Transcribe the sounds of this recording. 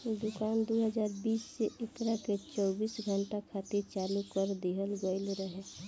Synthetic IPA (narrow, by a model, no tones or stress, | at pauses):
d̪ʊkaːnd̪uɦəd͡ʒaːɾbiːsːeʔekɾaket͡ʃɔːbiːsɡʱəɳʈakʰaːt̪iɾt͡ʃalukəɾd̪iɦəlɡəɪlɾəɦe